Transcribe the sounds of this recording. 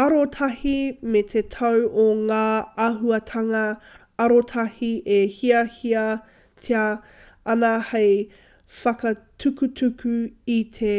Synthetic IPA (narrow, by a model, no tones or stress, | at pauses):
ɐɾotʰɐhimet̪ʰetʰɐwoŋaːɐɦuɐtʰɐŋɐ | ɐɾotʰɐhiʔehiɐhiɐ | tʰeɐ | ɐnɐhej | fɐkɐtʰʉkutʰʉkʰʉitʰe